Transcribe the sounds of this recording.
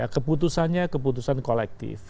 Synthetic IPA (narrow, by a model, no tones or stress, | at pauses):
akəput̪usanɲakəp̬ut̪̬usankolɛk̚t̪ɪ̰f